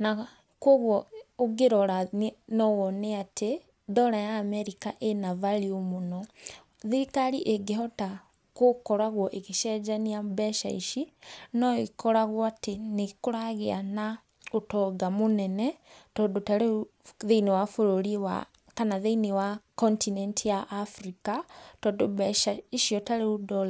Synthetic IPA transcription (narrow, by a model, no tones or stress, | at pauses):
na | kwɔɣwɔoɡeɾɔɾanɔwɔneatʰe | ðɔɾajaːmɛɾikaʔenavaɾiomonɔ | ðikaɾiʔeɡeɦɔta | kokɔɾaɣwɔʔeɣeʃɛd͡ʒaniabɛʃa̰iʃinɔikɔɾaɣwɔatenekoɾaɣeana | otɔɡamonɛnɛtɔːndotaɾeðeinewafoɾoɾiwa̰ | kanaðeinewakɔntinɛntijaʔafɾikatɔːndobɛʃaiʃiɔtaɾeodɔla